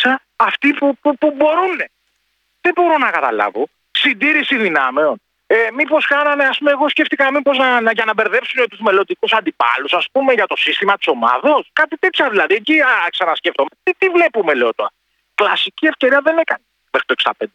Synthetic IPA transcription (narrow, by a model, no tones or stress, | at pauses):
sɐː | ft̪ipupupubo̞ɾune̞ | ðebo̞ɾo̞nɐkɐt̪ɐ̰lɐ̰vo̞ | sind̪iɾisiðinɐmeon | emipo̞skɐnɐne̞ɐspumeɣo̞sceft̪ikɐmipo̞znɐnʝɐnɐbe̞ɾðe̞psunet̪uzme̞lo̞nd̪ikusɐnd̪ipɐ̰lusɐspume̞ʝɐt̪o̞sist̪imɐt̪i̥so̞mɐ̰ðo̞skɐt̪it̪e̞t̪çɐðilɐðieciɐsɐnɐsceft̪omet̪it̪ivle̞pume̞le̞ot̪o̞̰ɾɐ | klɐsicie̞fce̞ɾiɐðene̞kɐne | mexɾit̪oksd̪ɐ̰pe̞nd̪e